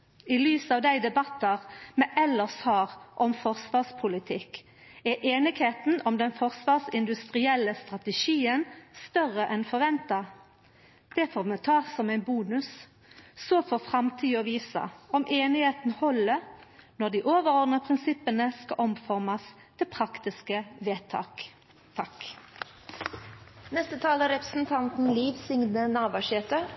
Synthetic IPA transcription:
ilyːsɑːʋd̪æɪd̪ɛbɑt̪ːəʁmɛːʔɛlːəshɑːʁʔɔmfɔʁsʋɑːspʰʊlɪt̪ʰɪkː | ɛʔeːnɪɡheːt̪n̩ɔmd̪ɛnfɔʁsʋɑːsɪnd̪ʉst̪ʁɪɛlːəst̪ʁɑt̪ɛʃiːənst̪œʁəʔɛnfɔɾʋɛnt̪ɑ | d̪̥ɛfɔʁmɛt̪ʰɑːsɔmæɪnbuːnʉsː | ɔfɔːfʁɑmt̪ʰiːɔʋiːsɑ̰ɔmʔeːnɪheːt̪n̩hɔlːənɔʁd̪iːʔoːʋəʁɔʁd̪nəpʰʁɪnsɪpːənəskɑʔɔmfɔʁmɑs | t̪ʰɪpʰʁɑkt̪ɪskəʋeːt̪ʰɑ̰ːk | t̪ʰɑk | nɛst̪ət̪ʰɑːləɾɛpɾəsn̩t̪ʰɑnt̪n̩liːʋsʏŋnənɑːbɑʃeːt̪ə

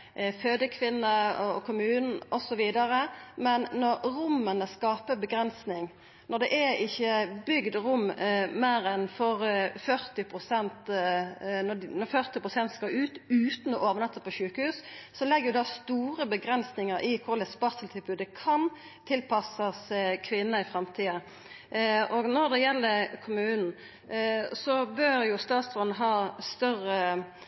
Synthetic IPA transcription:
føːd̪əkʰʋɪnːəɔkʰʊmʉːnn̩ɔsɔʋiːd̪ɑɾəmɛnːɔɾɾʊmːənəskɑːpəbəɡɾɛnsnɪŋ | nɔd̪ɛʔɛɪçːəbʏɡd̪ɾʊmmeːɾɛnfɔɾfœɾt̪ɪpʰʁʊsɛnt̪ | nɔnɔfœʁt̪ɪpʁʊsɛnt̪skɑʉːt̪ʉːt̪n̩ɔʔoːʋənɛt̪ːsəpʰɔʃʉːkəhʉːssɔlɛɡːəʁjʊd̪ɑst̪uːɾəbəɡɾɛnsnɪŋəɾʔɪkʰʊɾlɛspɑʁt̪səlt̪ʰɪlbʉːd̪ɛkʰɑn | t̪ʰɪlpɑsəskʰʋɪnːəɪfɾɑmt̪ʰiːɑ | ɔɡnɔɾd̪ɛjɛlːəɾkʰʊmʉːnn̩ | sɔbøːɾjʊst̪ɑːt̪sfɔnnəɦɑːst̪œrə

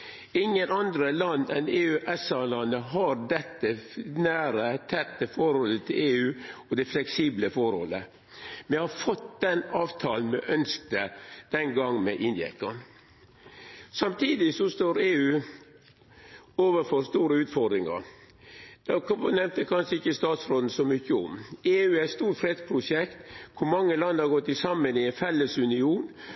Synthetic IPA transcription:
ɪŋːənɑnd̪ɾəlɑnːɛneːʉːʔɛsɑlɑnəɦɑɾd̪ɛt̪ːənæːɾət̪ʰɛt̪ːəfɔɾhɔlːət̪ʰɪleːʉːɔd̪ɛflɛksiːbləfɔɾhɔ̰lːə | mɛhɑfɔt̪d̪ɛnɑːʋt̪ʰɑːln̩mɛ̰ʔœnsk̚t̪əd̪̥ɛnɡɑŋːmɛʔɪnd̪ɪɛ̰kɑn | sɑmt̪ʰiːd̪ɪsɔst̪oːɾeːʉː | oːʋəfɔɾst̪uːɾəʉːt̪fɔɾd̪ɾɪŋɑ̰ɾ | d̪̥ɑnɛmt̪əkʰɑnʂəɪkːəst̪ɑːt̪sɾoːd̪n̩sɔmʏçːəʊ̰meːʉːæɪt̪st̪uːʈfɾɛd̪spʰɾʊʂɛkt̪kʰʊɾmɑŋːəlɑnd̪əhɑɾɡɔt̪ːɪsɑmːənɪɛnfɛlːəsʉnɪuːn

